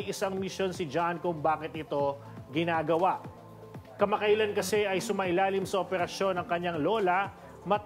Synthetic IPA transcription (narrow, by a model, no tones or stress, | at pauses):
jʔɪsaŋmɪʃo̞nsɪd͡ʒankʊŋbaːkɪt̪̚ʔɪt̪o̞ | ɡɪnaːɡɐwaʔ | kɐmɐkɐʔɪlankɐsɛʔɐjsʊmaʔɪlaːlɪmsɐʔopɛɾɐʃo̞nɐŋkɐɲːaŋlo̞ːlɐ | mɐt̪